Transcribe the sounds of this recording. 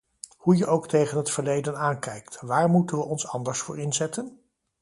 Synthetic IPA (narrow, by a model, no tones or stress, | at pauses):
hujəʔowktejχənɦətfəɹlejdənaːŋkɛjktʋaːɹmutənʋəʔɔnsɑndəɹsfʊ̰ːɹɪnzɛtən